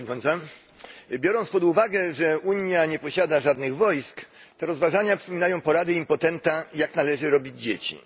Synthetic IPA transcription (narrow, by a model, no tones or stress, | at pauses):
ɲt̪ɔnsa | bʲjɔɾɔnt̪spɔd̪uvaɡɛʐɛuɲjaɲɛpɔɕad̪aʐad̪nɘɣvɔjskt̪ɛɾɔzvaʐaɲapʂpɔmʲinajɔ̃w̃pɔɾad̪ɘimpɔt̪ɛnt̪ajaknalɛʐɘɾɔbʲid͡ʑd͡ʑet͡ɕḭ